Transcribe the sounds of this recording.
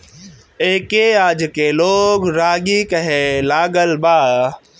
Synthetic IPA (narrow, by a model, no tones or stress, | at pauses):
eːkeaːd͡ʒkeloːɡɾaːɡikɐɦelaːɡəlbaː